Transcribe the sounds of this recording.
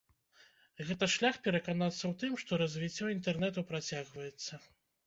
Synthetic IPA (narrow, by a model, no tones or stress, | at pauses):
ɣɛt̪ɐʂlʲaxpʲɛɾɐkanat̪sːɐwt̪ɨmʂt̪ɔɾɐzʲvʲit͡sʲːɔint̪ɛrnɛt̪upɾat͡sʲaɣvɐjɛt̪sːɐ